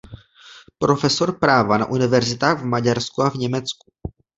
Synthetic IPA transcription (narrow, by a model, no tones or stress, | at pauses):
pɾo̞fɛso̞ɾpɾaːvana̰ʔunɪvɛɾzɪt̪aːɣvmaɟaɾskuavɲɛmɛt͡sku̥